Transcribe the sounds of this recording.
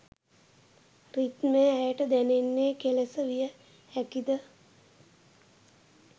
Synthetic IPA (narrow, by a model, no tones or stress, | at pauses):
rit̪mejæjəʈəd̪ænenːeːkelesəʋijə | ækid̪ə